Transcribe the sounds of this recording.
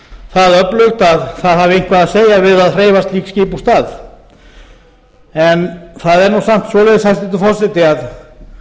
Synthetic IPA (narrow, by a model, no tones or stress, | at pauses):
θaðœplʏɣt̪aðθaðhavɪejŋkʰvaðaðseːjavɪðaðr̥eːjvast̪liːksciːpust̪aːð | ɛnθaðɛɾnusam̥t̪svɔːlɛðɪshast̪ɪt̪ʏfɔr̥sɛt̪ɪað